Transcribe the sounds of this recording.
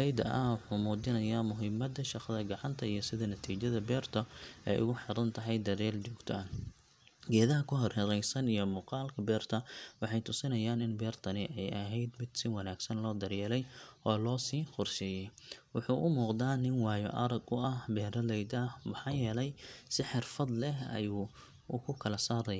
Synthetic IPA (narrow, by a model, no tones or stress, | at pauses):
ɛjd̪ɐ̰ʔɐwʊħuːmuːt͡ʃɪnɐjamʊɦɪmːɐd̪ɐʃɑqɐðɐɡɑʕɑnt̪ʰɐijɞsɪðɐnɐt̪ʰiːt͡ʃɐðɐbɛːrt̪ʰɔɛ̰jʔʊ̰ɣʊħɪɾɐnt̪ʰɐɦɛjd̪ɐðɛːlt͡ʃɔːɡt̪ʰɔn | ɡɛːðɐɦɐkʰʊɦɔrhɐɾɛjsɐnijɞmuːqɑːlkʰɐbɛːrt̪ʰɐwɑħɑjt̪ʰʊsɪnɐjaːnɪnbɛːrt̪ʰɐnɪʔɛjʔɐɦɛjd̪mɪd̪sɪwɑnaːɡsɐnlɔːd̪ɐrjɛːlɛjʔɔːlɔːsiːqʊrʃɪjɛjwʊħuːʔʊmuːqd̪aːnɪnwɑːjɔ̰ʔɐɾɐɡʊʔɐhbɛːɾɐlɛjd̪ɐmɑħɑːjɛːlɛjsɪħɪrfɐd̪lɛɦɐ̰juː | ʊkʰʊkʰɐlɐsaːɾɐjaː